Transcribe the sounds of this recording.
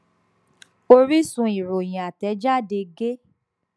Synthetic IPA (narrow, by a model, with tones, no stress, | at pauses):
o˧ɾi˦sũ˧i˨ɾo˨j̃ĩ˨a˨tɛ˨˦d͡ʒa˦˨de˧ɡe˦